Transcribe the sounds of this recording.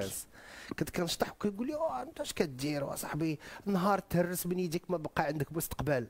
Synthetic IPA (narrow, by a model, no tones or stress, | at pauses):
ænskæt̪kænəʃt̪ˤɑħwkæɡulːiæʕənt̪æʃkæt̪̚d̪iɾwæ̰sˤɑħbiənːɦɑɾˤt̪hərːəsmənjid̪ikmæbqɑʕənd̪ək̚bəst̪ə̥qbæl